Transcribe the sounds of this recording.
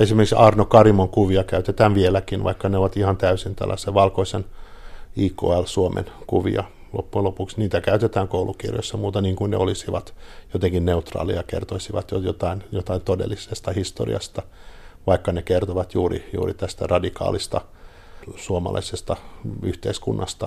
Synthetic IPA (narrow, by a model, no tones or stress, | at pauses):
esimerkiksɑːrnokɑrimoŋkuʋiɑkæyt̪et̪æːnʋielækinʋɑ̰ikːɑneoʋɑt̪ihɑnt̪æysint̪æ̰lːʔɑ̰seʋʋɑlkoisen | iːko̰ːælsuomʔḛnkuʋḭɑ | lo̰pːuelopuksniːt̪ækæyt̪et̪æːŋkoulukḭrjo̰sːɑmuːt̪ɑniːŋkuinnḛolisiʋɑt̪jot̪eŋkinneut̪rɑ̰ːlḭɑkḛrt̪oisiʋɑ̰t̪jojot̪ɑinjot̪ɑint̪odḛlːisest̪ɑhist̪o̰rḭɑ̰st̪ɑʋɑikːɑnekert̪oʋɑt̪juːrḭjṵːrit̪æst̪æ̰rɑdikɑ̰ːlist̪ɑ | suomɑ̰lʔɑ̰isest̪ɑyht̪eiskṵnːɑst̪ɑ